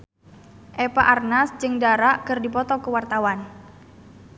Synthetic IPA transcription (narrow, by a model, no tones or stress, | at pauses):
ʔepaʔarnasd͡ʒɨŋdaɾaʔkɨrdipɔt̪ɔkəwart̪awan